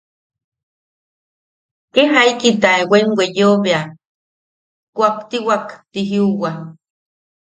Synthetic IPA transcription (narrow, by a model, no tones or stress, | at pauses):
keɦajkit̪aewʷeŋwʷejoβea | kʷapt̪iwakt̪iɦiuwa